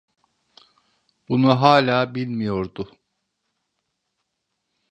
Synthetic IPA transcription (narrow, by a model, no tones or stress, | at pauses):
b̥unuɦaːlʲaːbilʲmijo̞ɾd̪ʊ